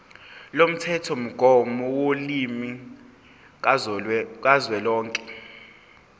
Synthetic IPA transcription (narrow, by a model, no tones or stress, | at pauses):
lom̩tʰɛtʰɔm̩ɡ̥ʱɔmɔwolimi | k̬ʼazwɛlɔːŋkʼɛ